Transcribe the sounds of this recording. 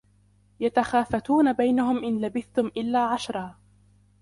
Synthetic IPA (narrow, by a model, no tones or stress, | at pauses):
jat̪axaːfat̪uːnabajnaɦʊmʔɪnlabɪθt̪ʊmʔɪlːaːʕaʃɾˤɑː